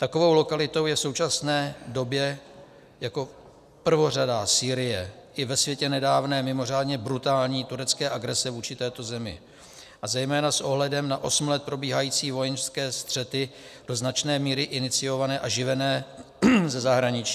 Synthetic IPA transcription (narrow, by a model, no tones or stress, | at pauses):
t̪ako̞vo̞wlo̞kalɪt̪o̞wjɛfso̞wt͡ʃasnɛːdo̞bjɛ | jako̞ | pr̩vo̞radasiːɾɪjɛʔɪvɛsvjɛcɛnɛdaːvnɛːmɪmo̞r̝aːdɲɛbɾut̪aːlɲiːt̪uɾɛt͡skɛːʔaɡɾɛsɛvuːt͡ʃɪt̪ɛːt̪o̞zɛmɪ̰ | ʔazɛjmɛːnasʔo̞ɦlɛdɛmnaʔosm̩lɛt̪̚pɾo̞biːɦajiːt͡siːvo̞jɛnʃskɛːst̪r̝̥ɛt̪ɪd̥oznat͡ʃnɛːmiːɾɪʔɪnɪt͡sɪjo̞vanɛːʔaʒɪvɛnɛː | zɛzaɦɾaɲɪt͡ʃi̥ː